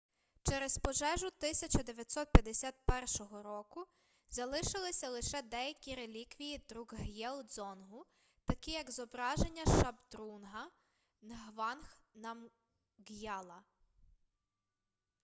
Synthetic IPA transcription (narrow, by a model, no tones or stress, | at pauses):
t͡ʃɛɾezpɔʒɛʒʊt̪ɪsʲɐt͡ʃɐd̪eʋʲjɐt̪ʲsɔt̪̚pʲjɐd̪esʲat̪̚pɛrʃɔɦɔɾɔkʊ | zɐlˠɪʃɪlˠɪsʲɐlˠɪʃɛd̪ɛjɐkʲiɾelʲikʋʲijid̪ɾuɡɦjɛlˠd̪zɔnɦʊ | t̪ɐkʲijɐɡzɔbɾɑʒenʲːɐʃɐbd̪ɾunɦɐ | nɦʋɑnxnɐm | ɡjɑlˠɐ